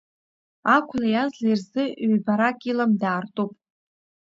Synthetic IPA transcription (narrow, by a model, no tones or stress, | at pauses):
akʷʰʊlajazlairzɨɥbaɾakʼilamdaːrtʼupʼ